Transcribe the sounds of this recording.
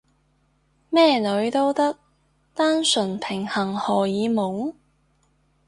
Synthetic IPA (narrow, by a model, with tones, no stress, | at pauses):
mɛː˥˩lɵ˨˧ɥt̪o˥wt̪ɐ˥k̚ | t̪aː˥nsɵ˨˩npʰɪ˨˩ŋhɐ˨˩ŋhɔː˨˩jiː˨˧mʊ˨˥ŋ